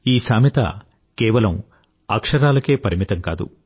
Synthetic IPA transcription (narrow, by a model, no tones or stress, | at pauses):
iːsaːmit̪ɐ̰ | keːʋɐlɐm | ɐkʂɐɾaːlɐke̞ːpɐɾimit̪ɐmka̰ːd̪ṵ